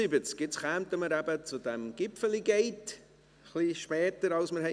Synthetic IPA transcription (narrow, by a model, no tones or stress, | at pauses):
ibət͡skɪt͡sχæːmt̪əməɾæbət͡sʊdɛmɡ̥ɪpfəliɡɛɪt | χliʃpɛːtəɾɑlsməɾhɛ